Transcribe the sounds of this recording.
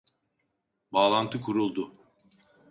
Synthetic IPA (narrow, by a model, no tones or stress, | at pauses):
baːlˠant̪ʰɯkʰuɾulˠd̪ʊ